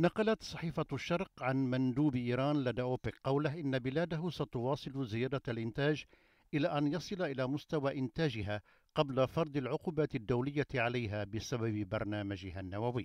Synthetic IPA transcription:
nɑqɑlat̪sˤɑħiːfaʃːɑɾˤqʕanmand̪uːbʔiːɾaːnlad̪aʔoːpɪkqːɑwlaɦʔɪnːabɪlaːd̪aɦʊsat̪ʊwɑːsˤɨlzɪjaːd̪aalʔɪnt̪aːd͡ʒ | ʔɪlaːʔanjɑsˤɨlaʔɪlaːmʊst̪awaːʔɪnt̪aːd͡ʒɪɦaː | qɑblafɑɾˤd̪ˤɪlʕʊquːbaːt̪ɪd̪ːawlɪjːaʕalajɦaːbɪsababɪbɑɾˤnaːmad͡ʒɪhanːawawɪjː

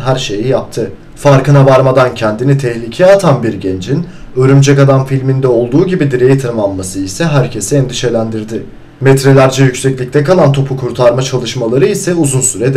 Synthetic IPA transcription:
ɦæɾʃe̞jijap̚t̪ʰɯ | faɾkɯnavaɾmad̪ancʰɛnd̪init̪ʰɛçlʲicʰɛat̪ʰanbiɾɟend͡ʒinøɾymd͡ʒɛkad̪anfilʲmind̪ɛo̞lˠd̪uːɟibid̪iɾejit̪ʰɯɾɯmamːasɯisɛɦæɾcʰesɛɛnd̪iʃe̞lʲænd̪iɾd̪ɪ | mɛt̪ɾelʲæɾd͡ʒɛjycʲsɛclʲic̚t̪ʰɛkalˠant̪ʰo̞pʰukʰuɾt̪ʰaɾmat͡ʃʰalˠɯʃmalˠaɾɯisɛuzunsyɾɛd̪

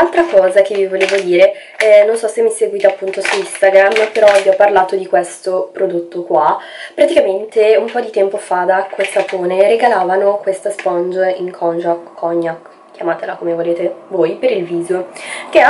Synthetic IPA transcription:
nalt̪ɾakɔːzak̟evivoleːvod̪iːɾe | ɛnonsɔsːemːiseɡwit̪eapːunt̪osuist̪aɡɾamːpeɾɔviɔpːarlaːt̪od̪ikwest̪opɾod̪ot̪ːokwa | pɾat̪ikament̪eumpɔd̪it̪ɛmpofad̪akːesat̪oːneɾeɡalaːvanokwest̪aspɔnd͡ʒiŋkʰɔnd͡ʒakkʰːɔɲːak | kʲjamaːt̪elakomevoleːt̪evoːjpeɾilviːzok̟ea

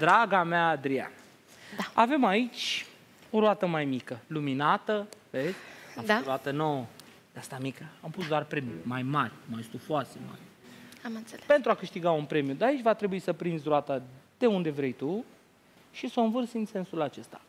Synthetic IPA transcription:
d̪ɾaɡameaːd̪ɾia̰n | daave̞mait͡ʃʲ | oɾoat̪əmajmikəluminat̪əveezʲaamfot̪ɾoat̪ənowə | d̪east̪amikəampusd̪oarpɾe̞mjumajmarʲmajest̪ufoart̪ema̰ɾʲamɨnelpe̞nt̪ɾuakɨʃt̪iɡaunpɾe̞mijud̪aait͡ʃʲvat̪ɾe̞buisəpɾind̪zʲɾoat̪ad̪̥e̞und̪e̞vɾe̞jt̪u | ʃiso̞ɨnvɨrsɨnse̞nsulat͡ʃe̞st̪ḁ

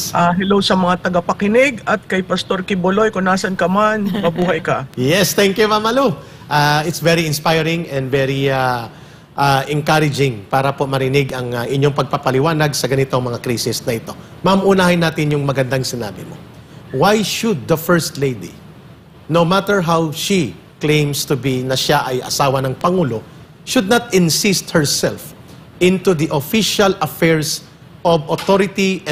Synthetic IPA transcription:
ʔaːɦɛlowsɐmɐŋat̪ɐɡapɐkɪnɪɡɐt̪̚kɐjpɐst̪o̞ɾkɪbolo̞jkʊnaːsɐnkɐmanmɐbuːɦɐjkɐjɛst̪ɛŋkjumamɐlo | ʔaɪt̪svɛɾiɪnspajɾɪŋɛ̃nd̪vɛɾia | ʔaʔɛŋkaɾɪd͡ʒɪŋpaːɾɐpo̞mɐɾɪnɪɡɐŋɐʔɪɲjoŋpɐɡ̚papɐlɪwaːnɐɡsɐɡɐnɪt̪oŋmɐŋakɾisɪsnɐʔɪt̪o̞mamʔʊnaːhɪnːaːt̪ɪnjʊŋmɐɡɐnd̪aŋsɪna̰ːbɪmo | wajʃʊd̪̚ːɐfɛɹst̪lejd̪ḭ | nowmat̪ɛɹɦawʃi | klẽjmst̪ʊbinɐʃaʔɐjʔɐ̰saːwɐnɐŋpɐŋuːlo̞ | ʃʊd̪̚nɐt̪ɪnsɪst̪̚hɛɹsɛlf | ʔɪ̃nt̪ud̪iʔofiʃɐlɐfɛɹs | ʔobot̪oɾɪt̪iʔ

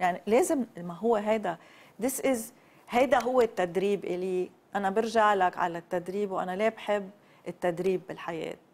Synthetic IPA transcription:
jaʕnileːzɪmmaɦʊwːeɦajd̪a | d̪ɪsʔɪz | hajd̪aɦʊwːet̪ːad̪ɾiːbʔɪliː | ʔanabɪɾʒaʕlakʕa̰lat̪ːad̪ɾiːbwʔa̰naleːbħɪbː | ʔɪt̪ːad̪ɾiːbːɪlħajḛːt̪̚

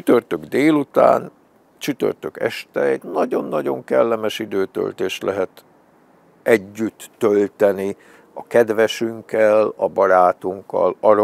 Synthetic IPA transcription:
t͡ʃyt̪ørt̪øɡd̪eːlut̪a̰ːn | t͡ʃyt̪ø̰rt̪økɛ̰ʃt̪ɛjt̪nɒɟo̞nːɒɟo̞ŋkɛlːɛmɛʃid̪øːt̪ø̰lt̪eːʃt̪lʔɛɦɛt̪ | ɛɟːyt̪ːølt̪ɛni | ɒkɛd̪ʋɛʃyŋkɛlɒbɒɾaːt̪uŋkːɒ̰lɒɾ

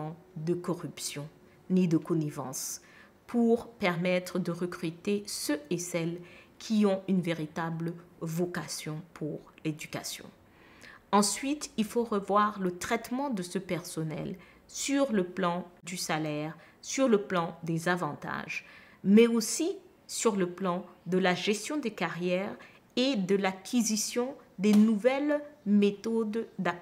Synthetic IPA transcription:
ɑ̃d̪əkɔʁypsjɔ̃ | nid̪əkɔnivɑ̃s | pʰuʁpɛʁmɛt̪χəd̪əʁəkχyt̪esəesɛlkʲʰiɔ̃ynveʁit̪ablvɔkasjɔ̃pʰuʁled̪yka̰sjɔ̰̃ | ɑ̃sɥit̪ilfoʁəvwaʁlət̪χɛt̪mɑ̃d̪əsəpɛʁsɔnɛ̰l | syʁləplɑ̃d̪ysalɛʁ | syʁləplɑ̃d̪ezavɑ̃t̪a̰ʒmɛosi | syʁləplɑ̃d̪əlaʒɛst̪jɔ̃d̪ekaʁjɛʁ | ed̪əlakʲʰizisjɔ̃d̪enuvɛlmet̪ɔd̪d̪a

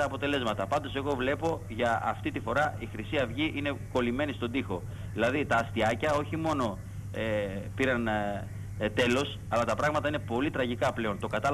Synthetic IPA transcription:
ɐːpo̞t̪e̞le̞zmɐt̪ɐpɐnd̪o̞se̞ɣo̞vle̞po̞ | ʝɐɐ̰ft̪it̪ifo̞ɾɐixɾisiɐvʝiʔine̞ko̞lime̞nist̪o̞d̪ixo̞ | ðilɐðit̪ɐːst̪iɐcɐo̞çimo̞no̞ | epiɾɐn | t̪e̞lo̞s | ɐlɐt̪ɐpɾɐɣmɐt̪ɐine̞po̞lit̪ɾɐʝikɐple̞o̞nt̪o̞kɐt̪ɐ

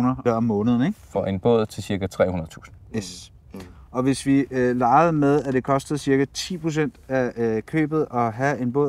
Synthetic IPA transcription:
nɐɐɒmːɔ̽ːnəð̞ˠn̩eŋfɒ̽ʔe̝nb̥ɔð̞̰ˠt͡sʰe̝lsiɐkæt͡sʰʁɛ̰ːhunɐð̩ˠt͡sʰṵːsn̩jes | ʔɒ̽ʋe̝sʋilɑ̈ːɪð̞̩ˠmeðˠæd̥e̝kʰɒ̽sd̥əð̞̩ˠsiɐkæt͡sʰḭːpʰʁo̝s̬en̰d̥ækʰø̰ːb̥ð̩ˠɒ̽ɦæe̝nb̥ɔ̽ðˠ

